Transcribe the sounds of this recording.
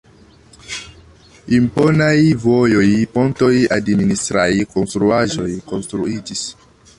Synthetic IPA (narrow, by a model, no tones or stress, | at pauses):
impo̞najvojojpo̞nto̞jadministɾajkonstɾuaʒo̞jko̞nstɾuid͡ʒis